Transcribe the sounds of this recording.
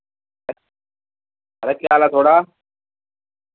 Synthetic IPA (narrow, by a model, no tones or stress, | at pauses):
ɐɾɐkːjaːlaːt̪ʰoːɽaː